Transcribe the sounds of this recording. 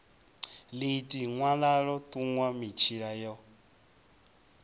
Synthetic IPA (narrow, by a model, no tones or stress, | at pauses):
litʼiŋwalaɺɔtʼuŋwamit͡ʃʰiɺajɔ